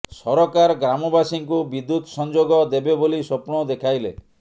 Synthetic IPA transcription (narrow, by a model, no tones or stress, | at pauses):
sɔɾɔkaɾɡɾamɔbasiŋkubid̪ːut̪ɔsɔnd͡ʒoɡɔd̪ebebolisɔpɳɔd̪ekʰajle